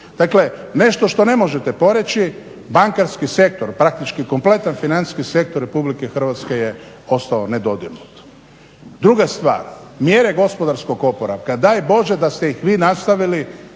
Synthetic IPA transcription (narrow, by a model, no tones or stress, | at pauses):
d̪̥akle̞ne̞ʃt̪oʃt̪o̞ne̞mo̞ʒet̪e̞po̞ɾet͡ʃi | baŋkaɾskise̞k̚t̪oɾpɾak̚t̪it͡ʃkiko̞mple̞t̪anfinant̪skise̞k̚t̪oɾːepublikexr̩ʋat̪ske̞je | o̞st̪aoned̪o̞d̪iɡnut̪ | d̪ɾuɡast̪ʋa̰ːɾmjeɾeɡo̞spo̞d̪aɾsko̞ɡo̞poɾaʋkad̪aːjbo̞ʒed̪ast̪e̞jixʋiːnast̪aʋili